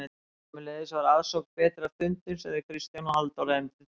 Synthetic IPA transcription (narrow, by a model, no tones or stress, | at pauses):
ɛt̪ː | mɪlɛːðɪsvaɾaðsɔkpɛːt̪ɾaðfʏnt̪ɪmsɛðɪkʰɾist̪janɔɦalt̪ɔɾɛmt̪ɪ